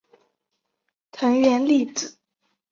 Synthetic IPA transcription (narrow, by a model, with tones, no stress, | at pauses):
t̪ʰə˧˥ŋɥɛ˧˥nli˥˩t͡sɹ̩˨˩˦